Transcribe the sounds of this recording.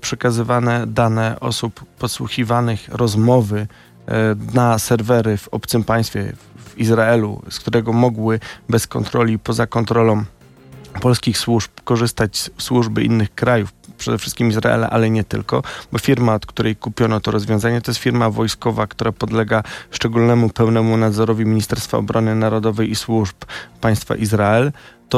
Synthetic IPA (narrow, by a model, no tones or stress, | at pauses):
pʂɛkazɘvanɛd̪anɛʔɔ̰supːɔswṵxʲivanɘxɾɔzmɔvɘ | nasɛɾvɛɾɘvɔ̰pt̪sɘmpaj̃st̪fʲjɛvizɾaɛlṵskt̪uɾɛɡɔmɔɡwɘbɛskɔnt̪ɾɔlʲipɔzakɔnt̪ɾɔlɔ̃w̃ | pɔlskʲixswuʐpkɔʐɘst̪at͡ɕsswuʐbɘʔḭnːɘxkɾajufpʂɛd̪ɛfʂɘst̪kʲimizɾa̰ʔɛ̰la̰ʔalɛɲɛt̪ɘ̰lkɔbɔfʲiɾmaɔt̪kt̪uɾɛjkupʲjɔnɔt̪ɔɾɔzvʲjɔ̃zaɲɛt̪ɔjɛst̪fʲiɾmavɔjskɔvakt̪uɾapɔd̪lɛɡaʂt͡ʂɛɡulnɛmupɛwnɛmunad̪zɔɾɔvʲimʲiɲist̪ɛɾst̪fa̰ɔ̰bɾɔnɘnaɾɔd̪ɔvɛjiswuʐppaj̃st̪fa̰ʔizɾaɛlt̪ɔ